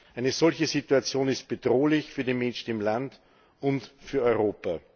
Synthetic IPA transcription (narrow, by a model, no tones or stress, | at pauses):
ʔæɪnəzɔlçəzituat͡sjoːnɪst̚b̥əd̥ʁoːlɪçfyːɐdimɛnʃn̩ɪmland | ʊntfyːɐɔʏʁoːpa